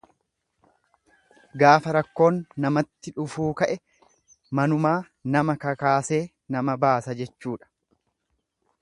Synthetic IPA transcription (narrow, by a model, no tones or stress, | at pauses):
ɡaːfɐɾɐkːo̞ːnːɐmɐt̪ːɪᶑʊfuːkɐʔɛ | mɐnʊmaː | nɐmɐkɐkaːse̞ː | nɐmɐbaːsɐd͡ʒɛt͡ʃːuːᶑɐ̥